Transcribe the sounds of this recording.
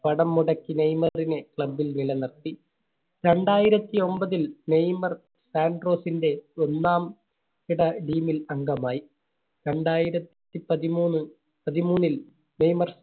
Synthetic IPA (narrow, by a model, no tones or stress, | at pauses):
pɐɽɐmːuɽɐkːinejmɐrinekɭɐbːilnilɐnɐrt̪ːi | ɾe̞ɳɖaːjiɾɐt̪ːio̞mbɐðilne̞jmɐr | saːnɖro̞ːsinde̞onːaːm | kiɽɐɖiːmilɐŋɡɐmaːji | ɾe̞ɳɖaːjiɾɐt̪t̪ːipɐðimuːnːɨ | pɐðimuːnːil | ne̞jmɐrs